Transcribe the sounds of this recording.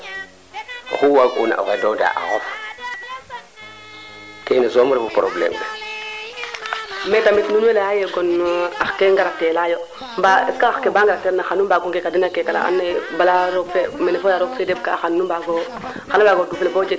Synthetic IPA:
xuwakuna̰ʔo̰xedoda̰ʔa̰xof | kenazomɾebupɾoblḛmde | metamitnunweleajeɡɔnakeŋɡaɾak̚telajo | mbakaxkebaːŋɡaɾak̚teɾnaxanumbaɡoŋɡekadinakekala̰a̰nːebalaɾoɡfemɛnefojaɾokfedeb̚ka̰xannumbaɡo | xanabaɡoduflefoːd͡ʒe

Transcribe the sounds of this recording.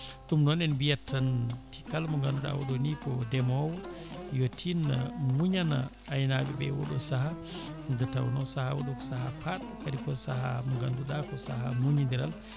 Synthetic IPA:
ɗumnɔnɛnbijatʰːantʰi̥kalmɔŋɡanduɗa̰wɔ̰ɗonikɔdɛmɔwjotʰinamuɲana̰ː | jnabɛbɛ̰wɔ̰ɗɔsaha | dɛtawnɔsahawoɗɔkɔ̥sahapat̚ | kaɗikɔsaha̰mɔŋɡanduɗakɔsahamuɲind̪ɛɾa̰l

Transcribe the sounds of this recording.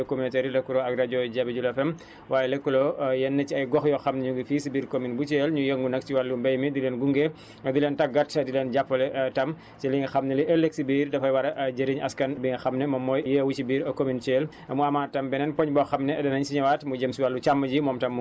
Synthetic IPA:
kominitɛɾilɛkːulɔɐɡɾɐɟɔɟɐbɐɟulɐfɛm | waːjɛlɛkːulɔjɛnːɐciɐjɡɔxjɔxɐmnɛɲuɡifiːsibiːɾkominbut͡ʃeːlɲujəŋɡunɐk̚t͡ʃiwalːubɐjmidilɛnɡuŋɡe | ɐdilɛːntɐɡːɐtɐdilɛnɟapːɐlɛʔtɐm | siliŋɐxɐmnɛliʔelːek̚sibiːɾdɐfɐjwɐɾɐʔɟɐɾiɲɐskɐnbiŋɐxɐmnɛmɐmɔːjjewut͡ʃibiːɾɐkomint͡ʃeːl | ɐmuɐmaːtːɐmbɛnɛnpɔɲbɔxɐmnɛɐdɐnɐɲsiɲɐwaːtmuɟəmsiwalːut͡ʃamːɐɟimɔːmtɐmː

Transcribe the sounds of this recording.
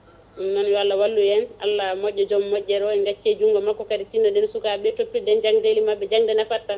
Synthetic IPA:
nɔnjɔalːawalːujɛna̰lːamɔɟɔd͡ʒɔmːɔɟɛɾɔɛŋɡat͡ʃːed͡ʒuŋɡɔmakːɔkadit͡ʃindɔdɛnsukaɓɛtopːidɛnd͡ʒaŋdelimabɛd͡ʒaŋdɛnafatːa

